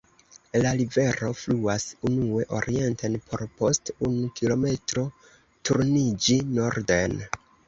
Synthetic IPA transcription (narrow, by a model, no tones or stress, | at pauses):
laɾive̞ɾo̞fluasunue̞ʔo̞̰ɾie̞ntenpʰo̞ɾpo̞stunukilo̞me̞tɾo̞ | tuɾnid͡ʒino̞ɾde̞n